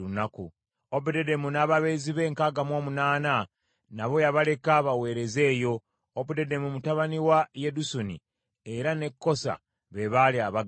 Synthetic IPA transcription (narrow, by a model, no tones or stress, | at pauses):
unaku | obudedemunaːβaβe̞ːziβe̞ːŋkaːɡamwo̞ːmunaːna | naβo̞jaβale̞kaβawe̞ːɾe̞ze̞ːjo̞ | obudede̞mumutaβaniwaje̞dusonḭ | e̞ɾane̞kːo̞sa̰ | βe̞βaliaβaɡ